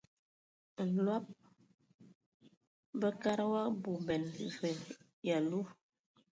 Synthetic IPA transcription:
n̩˨lwa˦p̚ | bə˦ka˦ɾə˦wa˦bu˨bɛ˨nzə˨ | ja˨lu˦

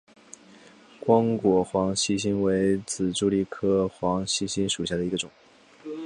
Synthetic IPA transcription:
kwɑ˥ŋkwɔ˨˩xwɑ˧˥ŋɕi˥ɕ̬i˥nwe˧˥ɪt͡sɹ̩˨˩ʈ͡ʂu˥li˥˩kʰɤ˥xwɑ˧˥ŋɕi˥ɕi˥nʂu˨˩ɕ̬ja˥˩d̪ə˩i˧˥ɡə˧ʈ͡ʂʊ˨˩˦

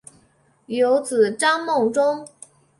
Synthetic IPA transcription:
jo˧˥ʊt͡sɹ̩˨˩ʈ͡ʂɑ˥ŋmo˥˩ŋʈ͡ʂʊ˥ŋ

